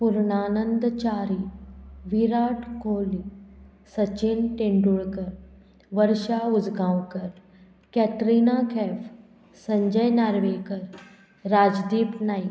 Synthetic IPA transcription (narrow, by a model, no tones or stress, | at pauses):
puɾɳanənd̪t͡ɕaɾiːʋiɾaʈkoli | sət͡ɕinʈeɳɖuɭkəɾ | ʋəɾɕaud͡zɡãwkəɾ | kɛʈɾinakʰɛf | səɲd͡ʑəjnaɾʋekəɾ | ɾad͡ʑd̪iːpnai